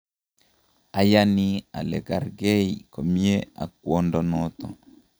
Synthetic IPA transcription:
a˨jani˦a̰˨lɛ˨ɡa˨ɾɡe˦iko˨mi˦jea̰˨kwo˦ndɔnɔt̪ɔ̰˨

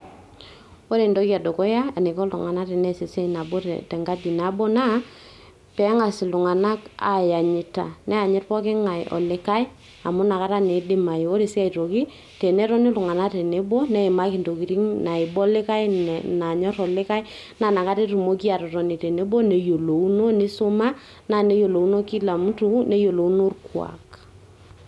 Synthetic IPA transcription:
o˦ɾe˨ndo˦ki˦a˨do˨kɔ˦ja˦a˨ne˨kɔ˦lʊ̰˨ŋa˨na˦te˨nɛ˦si˨sɛ˦na˨bɔ˦ttɛ˨ŋɡa˦di˨na˨˦bɔ˦na˦ | pɛ˨˦ŋa˨sɪ˨lʊ˨ŋa˨na˦ka̰˨ja˨ɲɪ˨ta̰˨nɛ˦ja˨ɲɛ˦tpɔ˦k̬ɪ˦ŋa˨jɔ̰˨lɪ˦ka˦ɪ˦ | a˨mʊ˦na˨ka˦ta˦ne˨˦dɪ˦ma˨jo˦ɾe˨si˦a˦i˨ɾo˨ki˦ | tɛ˨nɛ˦tɔ˦ni˦lʊ˨ŋa˨na˦te˨ne˨˦bɔ˦nɛ˦ɪ˨ma˦ki˨nto˨ki˨ɾi˦ŋna˨ɪ˨bɔ˦lɪ˦ka˦jna˨ɲɔ˦ɾɔ˨lɪ˦ka˦j | na˨na˨ka˦te˦tu˨mo˦ki˦a˨tɔ˨tɔ˨ni˨tɛ˨ne˨˦bɔ˦ne˨jo˨lo˨u˦no˦nɪ˦so˦ma˦ | na˦˨ne˦jo˨lo˨u˦no˦ki˦la˨mu˦tu˦nɛ˨˦jo˨lo˨u˦no˦rkwa̰˨k

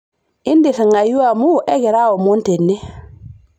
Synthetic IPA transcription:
i˦ndi˨θa˨ŋa˨ju˦amu˦ʔe˦ɡe˨ɾa˦wo˨mu˦nte˨nːi˦

